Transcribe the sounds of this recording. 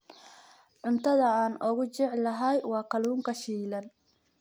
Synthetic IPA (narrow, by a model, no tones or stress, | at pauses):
ʕʊnt̪ʰɐðɐaːnɔɣʊt͡ʃɪʕlɐɦɐjwɑːkʰɐluːŋkʰɐʃiːlɐn